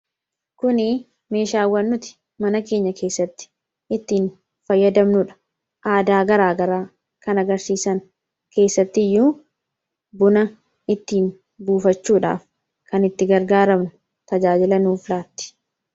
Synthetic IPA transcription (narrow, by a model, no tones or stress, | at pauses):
kʊnɪ | me̞ːʃaːwːɐnːʊt̪ɪ̥ | mɐnɐke̞ːɲːɐkʰe̞ːsːɐt̪ːɪ̥ | ɪt̪ːiːn | fɐjːɐd̪ɐmnʊᶑɐ̥ | ʔaːd̪aːɡɐɾaːɡɐɾaː | kɐnɐɡɐɾsiːsɐn | ke̞ːsːɐt̪ːɪjːuː | bʊnɐ | ɪt̪ːiːn | buːfɐt͡ʃːuːᶑa̰ːf | kɐnɪt̪ːɪɡɐɾɡaːɾɐmnʊ | t̪ɐd͡ʒaːd͡ʒɪlɐnuːflaːt̪ːɪ̥